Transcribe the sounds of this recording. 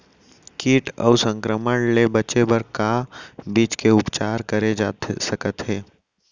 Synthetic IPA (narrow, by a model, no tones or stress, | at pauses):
kiːʈɔ̰ːsə̃ŋkɾəməɳlebɐt͡ʃebəɾkabiːt͡ʃkeʊpt͡ʃaːɾkəɾed͡ʒaːt̪səkət̪ɦɛː